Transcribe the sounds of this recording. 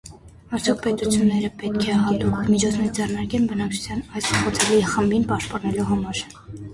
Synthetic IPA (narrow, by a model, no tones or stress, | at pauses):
ɑɾt͡sʰjɔk̚ʰpɛt̪ut͡sʰjunːɛɾəpɛt̪kʰɛɦɑt̪ummit͡ʃʰɔt͡sʰnɛɾd͡zɛrnɑɾkɛnbənɑkt͡ʃʰu̥t͡sʰjɑnɑjsχɔt͡sʰɛliχəmbinpɑʃt̪̚pɑnɛluɦɑmɑɾ